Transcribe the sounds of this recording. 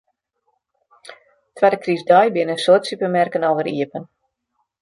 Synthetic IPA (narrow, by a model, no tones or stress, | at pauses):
tʋɛdəkrisdɔjbɪnənsoətsypəmɛrkənowvəɾḭəpən